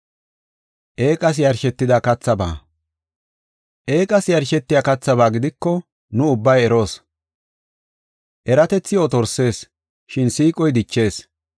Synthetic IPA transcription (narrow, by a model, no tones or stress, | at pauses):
ʔe̞ːkʼɐs̬jɐɾʃɛt̪ːɪd̪aːkɐt͡sːɐba̰ː | ʔe̞ːkʼɐsjɐɾʃɛt̪ːɪjaːkɐt͡sːɐβaːɡɪd̪ɪkːɔ | nʊʊbːɐjɛɾo̞ːs | ʔɛɾɐt̪ɛt͡sːɪjoːt̪ɔɾse̞ːs | ʃɪnsiːkʼɔjd̪ɪt͡ʃːe̞ːs